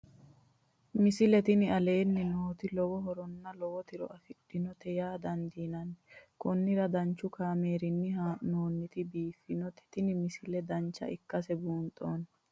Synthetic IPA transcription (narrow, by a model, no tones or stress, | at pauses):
mɪsɪlɛt̪ɪnɪɐle̞ːnːɪnoːt̪ɪlɔwɔɦɔɾɔnːɐlɔwɔt̪ɪɾɔ̰ʔɐfɪᶑːɪnɔt̪ɛjaːd̪ɐnd̪iːnɐnːkɔnːɪɾɐd̪ɐnt͡ʃːʊkaːmeːɾɪnːɪɦanoːnːɪt̪ɪbiːfːɪnɔt̪ɛ̥t̪ɪnɪmɪsɪlɛd̪ɐnt͡ʃːɐ̰ʔɪkːɐsɛbuːnt̪ʼoːn